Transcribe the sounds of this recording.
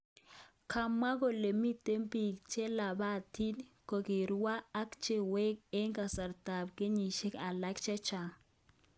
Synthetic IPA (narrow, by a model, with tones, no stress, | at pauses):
kʰa˨mːa˦ko˨le˨mi˦te˦mbi˨k̚t͡ʃe˦la˨ba˦˨ti˦nko˨ke˨ɾwaː˦kt͡ʃe˦˨we˦k̚e˦ŋka˨sa˨ɾta˨bke˦ɲi˨ʃe˦ka˨la˦kt͡ʃɛ˦t͡ʃa˨